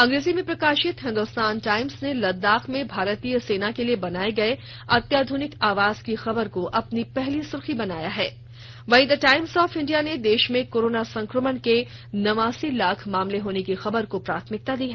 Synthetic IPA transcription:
ɐ̃ŋɡɾeːzimẽpɾɐkaːʃɪt̪ɦɪ̃nd̪oːst̪aːnʈaːɪmsnelɐd̪ːaːxʰmẽbʱaːɾt̪ijəseːnakeliebɐnaːeɡɐe | ɐt̪jaːd̪ʱʊnɪkaːʋaːz̥kixɐbəɾkoʔɐpnipɛɦlisʊɾxibɐnaːjaɦɛː | ʋɐid̪aʈaːɪmsɔːfɪ̃ɳɖijaned̪eːʃmẽkoːɾoːnasɐ̃ŋkɾəmənke | nɐʋaːsilaːkʰmaːmleɦoːnekixɐbəɾkopɾa̰ːt̪ʰmɪk̚t̪ad̪iːɦɛ

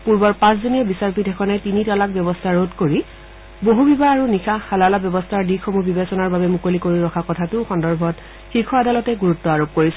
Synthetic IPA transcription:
puɹbɔɹpãs̬zoniɔbisaɹpidʱɛkʰɔnɛtinitalak̚bjɔbɔstʰaɹodkoɹi | boɦubibaaɹunikʰaxalalabjɔbɔstʰaɹdixomubibesɔnaɹbabɛmukolikoɹiɹɔkʰakɔtʰatʊxɔndɔɹbʱɔt | xikʰɔadalɔtɛɡuɹutːɔaɹob̚koɹisɛ

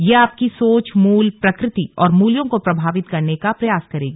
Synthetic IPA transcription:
jeaːp̚kisoːt͡ʃmuːlpɾɐkɾɪt̪iɔːɾmuːljõkopɾɐbʱaːʋɪt̪kɐɾnekapɾɐjaːskɐɾeːɡiː

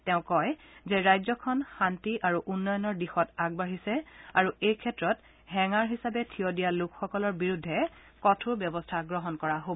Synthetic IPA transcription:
tɛʊ̃kɔjzɛɹajzɔkʰɔnxantiʔaɹuʔunːɔjɔnɔɹdixɔtaɡ̚baɦisɛaɹuejkʰɛtɹɔt | ɦɛŋaɹɦisabɛtʰiodijalukxɔkɔlɔɹbiɹudʱːɛ | kɔtʰuɹbjɔbɔstʰaɡɹɔɦɔnkɔɹaɦob

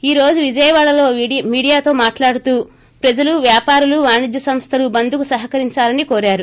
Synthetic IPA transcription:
iːɾo̞ːd͡ʒuʋid͡ʒɐjɐʋaːɭːɐlo̞ːmiːɽijaːt̪o̞ːmaːʈlaːɽut̪uː | pɾɐd͡ʒɐluʋjaːpaːɾuluʋaːɳid͡ʒ̪jɐsɐmst̪ʰɐlubɐnd̪ukusɐɦɐkɐɾiɲt͡ʃaːlɐnikoːɾaːɾu

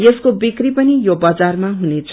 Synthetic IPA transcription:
jeskobikripʌnijobʌd͡zarmaɦunet͡sʰ

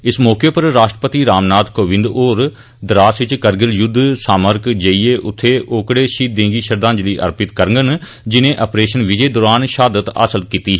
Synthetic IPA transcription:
ɪsmɔːkeːpəɾːaːʃʈəpət̪iːɾaːmnaːt̪koːʋɪ̃nd̪oːɾ | d̪ɾaːsʋɪt͡ʃkəɾɡəljʊd̪saːməɾkd͡ʒəiːeːʔʊt̪ʰːeːʔoːkɽeːʃiːt̪̚d̪ẽːŋɡiːʃəɾd̪ãːnd͡ʒliːʔə̰ɾpɪt̪kəɾŋɡən | d͡ʒɪnẽːʔəpɾeːʃənʋɪd͡ʒeːd̪oːɾaːnʃaːd̪ət̪ə̰səlkiːt̪iːɦ

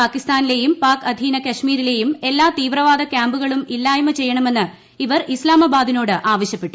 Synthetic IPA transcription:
aːkist̪aːnile̞jumpaːkɐd̪ʱiːnɐkɐʂmiːɾile̞jume̞lːaːt̪iːʋrɐʋaːd̪ɐkjaːmbuɣɐɭumilːaːjɐmɐt͡ɕe̞jːɐɳɐme̞nːɨ | iʋɐrislaːmɐbaːd̪ino̞ːɽɨʔaːʋɐɕjɐpːe̞ʈːu

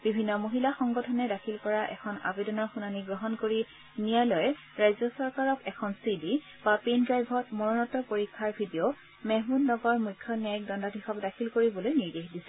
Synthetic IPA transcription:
b̥ibʱinːɔmoɦilaxɔŋɡɔtʰɔnɛdakʰilkɔɹaʔɛ̰kʰɔna̰bedɔnɔxunaniɡɹɔɦɔnkoɹi | nijalɔjɛ | ɹajzɔsɔɹkaɹɔkɛkʰɔnsidi | bapendɹajbʱɔtmɔɹɔnɔtɔpoɹikʰːaɹbʱidio | mɛɦmunːɔɡɔɹmujkʰːjɔniaik̚dɔndadʱixɔkdakʰilkoɹibɔlojniɹdexdisɛ̥

